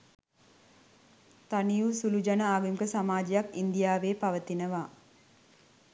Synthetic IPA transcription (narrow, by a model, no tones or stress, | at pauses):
t̪anijusulud͡ʒanəaːɡumkəsamaːd͡ʒijakind̪ijaːʋeːpaʋət̪inəʋaː